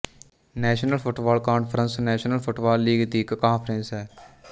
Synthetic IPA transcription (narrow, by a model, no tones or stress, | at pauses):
nɛːʃənəlfʰʊʈbaːlkaːnpʰəɾə̃nsnɛːʃnəlfʰʊʈbaːlːiːɡd̪iːkkãːnpʰəɾẽnsɦɛː